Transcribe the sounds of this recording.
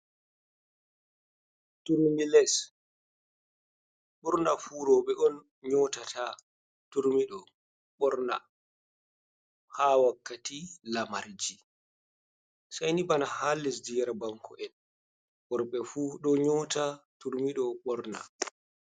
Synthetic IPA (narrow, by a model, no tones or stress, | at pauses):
tuɾmilɛs | ɓuɾnafuːɾɔɓɛʔɔn | ɲɔtatʰa | tuɾmiɗɔ | ɓɔɾna̰ | hawakːatilamaɾd͡ʒi | sajnibanahalːisdiɾabaŋkɔ̰ʔɛn | wɔɾɓɛfuːɗɔɲɔtatuɾmiɗɔɓɔɾna̰